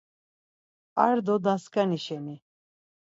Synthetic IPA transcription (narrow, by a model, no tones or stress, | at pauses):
a̰ɾd̪ɔd̪askʰaniʃɛni